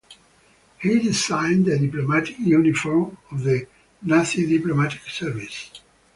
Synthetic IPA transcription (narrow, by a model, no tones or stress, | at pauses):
hidizãɪ̃nd̪ədiplomatɪ̥kjunifɔɹmɔvðə | naθidiplomatɪ̥ksɛɹvis